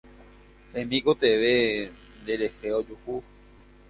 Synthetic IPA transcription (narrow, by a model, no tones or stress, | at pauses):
hẽmĩkot̪eʋe | nd̪eɾe̞heod͡ʒuhu